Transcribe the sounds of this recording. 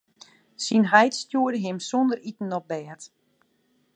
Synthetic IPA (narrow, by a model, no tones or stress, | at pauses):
sinɦɛjtstjuədəɦɪmsondəɾitn̩ɔp̚bɛːt